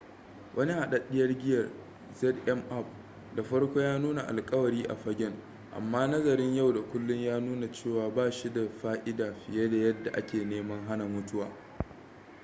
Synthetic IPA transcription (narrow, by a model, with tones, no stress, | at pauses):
wʔɐ˦ni˦ha˨ɗɐ˦ɗːɪ˦jɐ˦rɡʲɪ˦jɐ˨r | zɛ˦dʔɛ˦mʔa˦p̚ | da˨ɸɐ˦rkʷo˦jaː˦nuː˦na˨ʔa̰˨lkʼɐ˦wɐ˨ɾiː˦ʔa̰˨ɸɐ˦ɡʲɪ˦ŋ | ʔa̰˨mːaː˦nɐ˦zɐ˨ɾɪ˦ɲja˦wda˨kʷʊ˦lːʊ˦ɲjaː˦nuː˦na˨t͡ʃeː˦˨waː˦baː˦˨ʃi˦da˨ɸaː˦ʔɪ˦daː˨ɸɪ˨je˦da˨jɐ˦dːa˨ʔa̰˦kʲeː˨neː˦mɐ˦ŋɦa˦na˨mʊ˦tʊ˦waː˨